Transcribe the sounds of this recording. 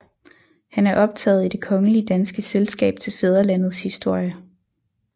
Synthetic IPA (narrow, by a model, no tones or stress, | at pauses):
hænæɐʔɒ̽b̥̚t͡sʰɛ̰ːð̞̩ˠid̥e̝kʰɒ̽ŋəliəd̥ænsɡ̥əselsɡ̥ɛ̰ːb̥̚t͡sʰe̝lfeð̞ˠɐlæn̰ð̞̩ˠshisd̥o̝ɐ̰jə